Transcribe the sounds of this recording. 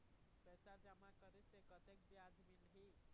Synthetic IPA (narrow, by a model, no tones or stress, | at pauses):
pɛsad͡ʒamakəɾesekət̪ek̚bjad̪ʱmilɦi